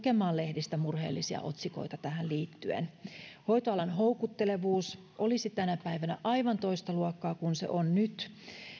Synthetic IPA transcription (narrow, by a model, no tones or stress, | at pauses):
kemɑːle̞hdist̪æmurhḛːlːisiɑ̰ʔo̞̰t̪siko̰jt̪ɑt̪æhælliːt̪ːyḛnho̞jt̪oɑlɑnɦoukut̪ːele̞ʋuːs | ʔolisit̪ænæpæiʋænæ̰ʔɑiʋɑnt̪o̞ist̪ɑluɑkːɑːkunsḛʔonnyt̪